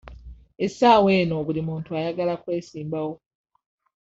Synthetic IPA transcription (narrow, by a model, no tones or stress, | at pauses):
esaːwe̞ːno̞βulimuːntuajaɡalakwe̞ːsiːmbawo̞